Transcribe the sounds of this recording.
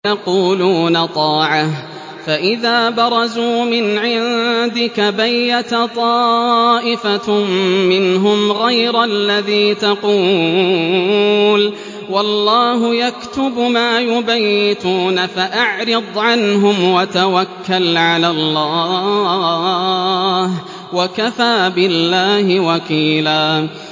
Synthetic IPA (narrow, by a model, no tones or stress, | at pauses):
ɑquːluːnat̪ˤɑːʕah | faʔɪðaːbɑɾˤɑzuːmɪnʕɪnd̪ɪkabajːat̪t̪ˤɑːʔɪfamɪnɦʊmɣajɾalːaðiːt̪ɑquː | l | wɑlˤːɑːɦʊjakt̪ʊbmaːjʊbajːɪt̪uːnafaʔaʕɾɨd̪ˤʕanɦʊmwat̪awakːalʕalaːlˤːɑː | h | wakafaːbɪlːaːhɪwakiːlaː